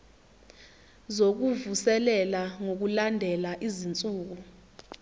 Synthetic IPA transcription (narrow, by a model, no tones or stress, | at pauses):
zok̬uvusɛlɛlaŋok̬ulandʱɛlaʔizint͡sʼuːk̬u